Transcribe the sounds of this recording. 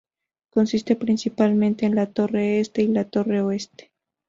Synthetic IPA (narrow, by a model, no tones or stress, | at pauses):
konsist̪epɾinsipalmẽnt̪eːnlat̪o̞reest̪e̞ilat̪o̞reoest̪e̥